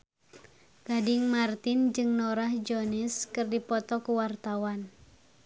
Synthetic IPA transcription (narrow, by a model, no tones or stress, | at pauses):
ɡ̥adɪŋmart̪ɪnd͡ʒɨŋnɔɾahd͡ʒɔniskɨrdipɔt̪ɔkuwart̪awan